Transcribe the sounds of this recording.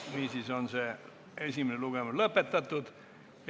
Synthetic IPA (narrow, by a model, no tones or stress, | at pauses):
niːsisonse | esʲimineluɡ̥emuslɤpːet̪ːɑt̪ːud̪̥